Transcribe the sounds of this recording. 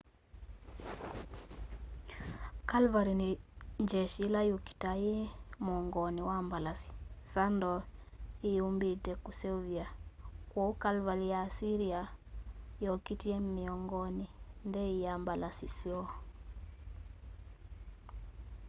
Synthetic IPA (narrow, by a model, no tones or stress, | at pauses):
kalvaɾiniɲd͡ʒɛʃilajuki̥tajɛmɔŋɡɔniwambalasi̥sandɔ | iumbitɛkusɛuviakwɔukalvalijasiɾia | jɔkitiɛmiɔŋɡɔnindɛijambalasisiɔ